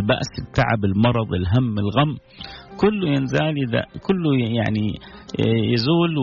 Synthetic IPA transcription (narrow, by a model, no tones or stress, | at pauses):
lba̰ʔsɪt̪ːa̰ʕa̰bɪlmɑɾˤɑðˤɪlɦamːɪlɣamː | kʊlːujɪnzaːlɪd̪a̰kʊlːuja̰ʕni | jɪzuːl